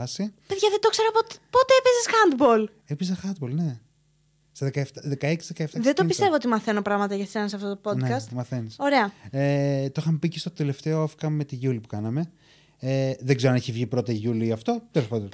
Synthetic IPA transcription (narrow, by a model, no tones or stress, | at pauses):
ɐsipeðʝɐðed̪o̞kseɾopot̪pot̪eepezesxɐnd̪bol | epizɐxɐnd̪̚bolne̞ | st̪ɐðekɐeft̪aðekɐeksizðekɐeft̪ɐðet̪opist̪e̞voot̪imɐθe̞no̞pɾɐɣmɐt̪ɐʝɐsenɐseɐft̪o̞t̪opo̞nekɐst̪mɐθeniso̞ɾe̞ɐet̪oxɐmpicest̪o̞t̪e̞le̞ft̪e̞oafkɐmːet̪iʝulipu̥kɐnɐme̞ | eðeɡzeɾoɐneçivʝipɾo̞t̪ɐʝuliɐft̪o̞t̪elo̞spɐt̪on